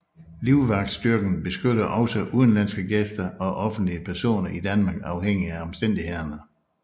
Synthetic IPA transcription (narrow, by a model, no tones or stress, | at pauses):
liʊʋɑ̈ɡ̥̚d̥sd̥yɐɡ̥n̩b̥e̝sɡ̥øɾɐʔɒ̽ʊsɒʔuðˠnlæn̰sɡ̥əɡ̥esd̥ɐɒ̽ʔɒ̽fn̩d̥liəpʰæɐso̝̰ːnɐʔid̥ænmɑ̈ːɡ̥ɑ̈ʊheŋ̰iæɒ̽msd̥en̰d̥ihe̝ðˠɐnə